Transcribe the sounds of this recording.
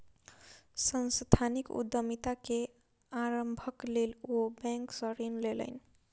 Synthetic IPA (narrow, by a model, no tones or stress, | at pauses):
sənst̪ʰanikṵd̪əmit̪ake | aɾəmbʱəklelobɛ̃ŋksəɾinlelə̰jn